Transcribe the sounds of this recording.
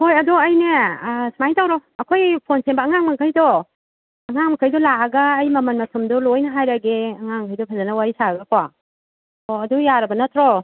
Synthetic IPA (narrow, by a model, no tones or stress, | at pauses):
hojɐdɔɐjnesmajtʰawɾɔɐkʰojpʰonsembɐːŋaŋmɐkʰajdɔ | ɐŋaŋmɐkʰajdɔlaɐɡɐːjmɐmɐnmɐsumdɔlojnaɦajɾaɡeɐŋaŋkʰajdɔpʰɐzanawajsaaɡakʰwa | ɔɐdujaɾɐbɐnɐtʰɾɔ